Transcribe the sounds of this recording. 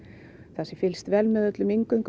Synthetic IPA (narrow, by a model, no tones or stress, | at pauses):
θasɪfɪlst̪vɛlmɛðœt̪lʏmiŋkʏŋk